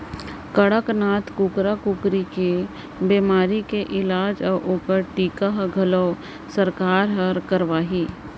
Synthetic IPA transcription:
kəɽəknaːt̪kukɾakukɾike | beːmaːɾikeʔɪlaːd͡ʒɔʔoːkəɾʈiːkaɦɡʱɐloː | səɾkaːɾɦəɾkəɾʋaːɦiː

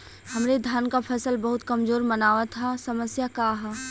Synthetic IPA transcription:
hɐmɾed̪ʱjaːnkapʰɐsəlbɐɦʊt̪kɐmzoːɾmənaːʋat̪ʰasɐməsjakaɦaː

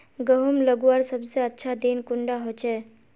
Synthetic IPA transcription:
ɡəɦumləɡaɾsəbseətːʃʰad̪eːnkʊɳɖaɦot͡ʃɛː

